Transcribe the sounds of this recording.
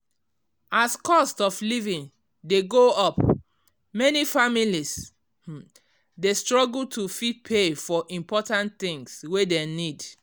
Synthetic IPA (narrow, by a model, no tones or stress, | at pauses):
askɔstɔflivĩn | deɡoɔp | mɛnifamilis | destɹɔɡultʰufit̚pʰefɔʔĩmpɔtãnθĩŋswedenid